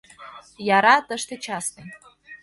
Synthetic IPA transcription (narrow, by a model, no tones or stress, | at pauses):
jaɾat̪əʂt̪et͡ʃʰasmɨ